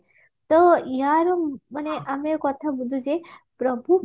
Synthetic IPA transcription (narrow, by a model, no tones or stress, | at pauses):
t̪ɔjaɾoəneʔamekɔt̪ʰabud̪ʱud͡ʒe | pɾəbʱu